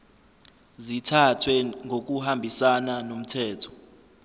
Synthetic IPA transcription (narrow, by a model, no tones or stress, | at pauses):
zitʰatʰwɛŋɡʱok̬uhambʱisananom̩tʰɛːtʰɔ̥